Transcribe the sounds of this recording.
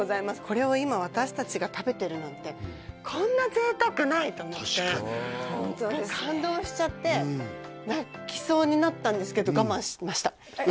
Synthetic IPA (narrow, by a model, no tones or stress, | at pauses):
ozaimasɨ̥kʰo̞ɾe̞oimaβ̞at̪aɕi̥t̪at͡ɕiɡat̪abe̞t̪e̞ɾɯ̟nãnt̪e̞kʰõ̞nːazeːt̪akɯ̟nait̪oːmo̞t̪ːe̞hõnt̪od̪eskãnd̪o̞ːɕi̥t͡ɕat̪ːe̞ | nakʲi̥so̞ːɲ̟inat̪ːãnd̪e̞sɨ̥ke̞d̪o̞ɡamãɰ̃ɕi̥maɕi̥t̪ḁ